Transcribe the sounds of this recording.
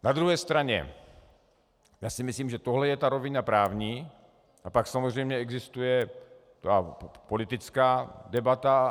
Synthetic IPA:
nad̪ɾuɦɛːst̪ɾaɲɛ̰ | jaːsɪmɪsliːmʒɛt̪oɦlɛjɛt̪aɾovɪnapɾaːvɲiː | ʔapaksamozr̝ɛjmɲɛɛɡzɪst̪ujɛ | t̪apolɪt̪ɪt͡skaːdɛbat̪a

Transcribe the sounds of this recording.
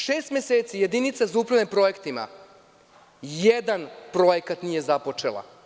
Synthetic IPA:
ʃeːst̪mʲeseːt̪sijed̪init̪sazaupɾanempɾo̞je̞kt̪ima̰ | jed̪anpɾo̞jekat̪nije̞zapo̞t͡ʃelˠa̰

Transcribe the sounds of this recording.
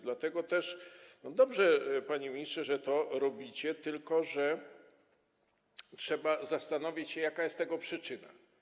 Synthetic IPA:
d̪lat̪ɛɡɔt̪ɛʂnɔd̪ɔbʐɛpaɲɛmʲɲistʂɛʐɛt̪ɔɾɔbʲit͡ɕɛt̪ɘlkɔʐɛ | tʂɛbazast̪anɔvʲit͡ɕɕɛjakajɛst̪ːɛɡɔpʂɘt͡ʂɘna̰

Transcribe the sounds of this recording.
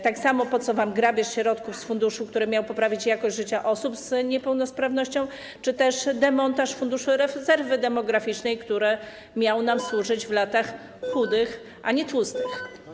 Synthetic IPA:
t̪aksamɔpɔt̪sɔvamɡɾabʲɛʂɕɛɾɔt̪kufsfund̪uʂukt̪uɾɛmʲjawpɔpɾavʲit͡ɕjakɔʑʐɘt͡ɕaʔɔsupzɲɛpɛwnɔspɾavnɔɕt͡ɕɔ̃w̃ | t͡ʂɘt̪ɛʂd̪ɛmɔnt̪aʂfund̪uʂuɾɛzɛɾvɘd̪ɛmɔɡɾafʲit͡ʂnɛjkt̪uɾɛ | mʲjawnamswuʐɘd͡ʑvlat̪ax | xud̪ɘx | ʔaɲɛt̪wust̪ɘx

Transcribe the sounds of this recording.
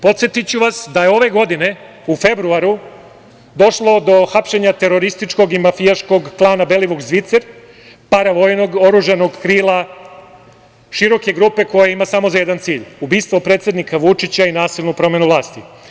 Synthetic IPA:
po̞t̪sjet̪it͡ɕuʋasd̪ajeo̞ʋe̞ɡo̞d̪ine̞ | ufe̞bɾuaɾu | d̪o̞ʃlˠo̞d̪o̞xapʃe̞ɲat̪e̞ɾo̞ɾist̪it͡ʃko̞ɡimafijaʃko̞ɡklˠaːnabe̞liʋukzʋit̪seɾ | paɾaʋo̞ːjno̞ɡo̞ɾuʒano̞ɡkɾiːlˠa | ʃiɾo̞ke̞ɡɾupe̞ko̞jaimasamo̞zajed̪ant̪siːʎubiːst̪ʋo̞pɾet̪sje̞d̪nikaʋut͡ʃit͡ɕainaːsilˠnupɾo̞me̞nuʋlˠaːst̪i

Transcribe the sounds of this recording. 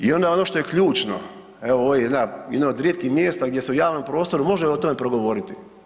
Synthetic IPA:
io̞nd̪ao̞noʃt̪o̞jekʎuːt͡ʃno̰ | eʋooʋjejed̪najed̪nood̪ɾʲjet̪kixmjeːst̪aɡd̪je̞seujaːʋno̞mpɾo̞ːst̪o̞ɾumo̞ʒeo̞t̪o̞me̞pɾoɡo̞ʋo̞ɾit̪i

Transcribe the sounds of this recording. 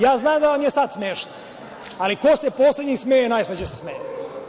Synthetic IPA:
jaːznaːmd̪aʋamjesad̪smeːʃno | alikosepoːsled̪ɲismejenaːjsled͡ʑesesmeːje

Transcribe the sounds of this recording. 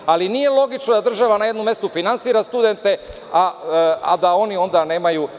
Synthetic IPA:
alinije̞lˠo̞ɡit͡ʃnod̪ad̪r̩ʒaʋanaje̞d̪nomje̞st̪ufinansiːɾast̪ud̪e̞nt̪e̞ | aa̰d̪ao̞nio̞nd̪ane̞ːmaju

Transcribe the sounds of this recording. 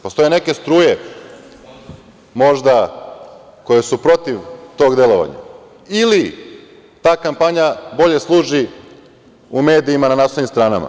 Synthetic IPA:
post̪o̞jene̞ke̞st̪ɾuːje̞ | mo̞ʒd̪a | ko̞je̞supɾo̞t̪iʋt̪o̞ːɡd̪e̞lo̞ʋa̰ɲa̰ | ili | t̪aːkampaɲabo̞ʎe̞slˠuːʒi | ume̞ːd̪iːmananaːsoimst̪ɾaːnama̰

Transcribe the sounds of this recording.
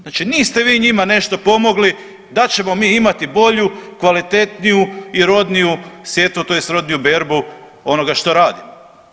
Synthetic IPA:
znat͡ʃiniːst̪e̞ʋiːɲimane̞ʃt̪o̞po̞mo̞ɡli | d̪at͡ɕe̞mo̞miːimat̪ibo̞ʎukʋalit̪e̞t̪nijuiɾo̞d̪nijusʋje̞t̪ut̪ojest̪ɾo̞d̪nijube̞ɾbu | o̞no̞ɡaʃt̪o̞ɾaːd̪imo

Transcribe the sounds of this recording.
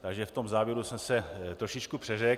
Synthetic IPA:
t̪aɡʒɛft̪o̞mzaːvjɛɾusɛmsɛt̪ɾo̞ʃɪt͡ʃkupr̥ɛrɛ

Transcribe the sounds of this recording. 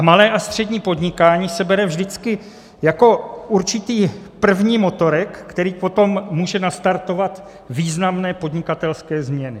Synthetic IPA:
malɛːʔast̪r̥ɛdɲiːpo̞dɲɪkaːɲiːsɛbɛɾɛvʒdɪt͡skɪ | jako̞ʔuɾt͡ʃɪt̪iːpr̩vɲiːmo̞t̪o̞ɾɛkːt̪ɛɾiːpo̞t̪o̞mːuːʒɛnast̪aɾt̪o̞vat̪ | viːznamnɛːpo̞dɲɪkat̪ɛlskɛːzmɲɛnɪ

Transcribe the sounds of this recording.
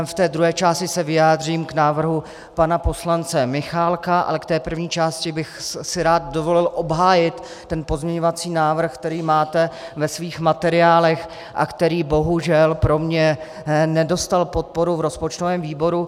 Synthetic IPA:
ft̪ɛːd̪ɾuɦɛːt͡ʃaːscɪsɛvɪjaːd̪r̝iːmknaːvr̩ɦu | panapo̞slant͡sɛmɪxaːlkaʔa̰lɛkt̪ɛːpr̩vɲiːt͡ʃaːscɪbɪxsɪɾaːt̪̚do̞vo̞lɪlʔo̞bɦaːjɪt̪ː | ɛnpo̞zmɲɛɲo̞vat͡siːnaːvr̩xk̚t̪ɛɾiːmaːt̪ɛvɛsviːxmat̪ɛɾɪaːlɛx | ʔa̰kt̪ɛɾiːbo̞ɦuʒɛlpɾo̞mɲɛ | nɛdo̞st̪alpo̞t̪̚po̞ɾuvɾo̞spot͡ʃt̪ovɛːmviːbo̞ɾu

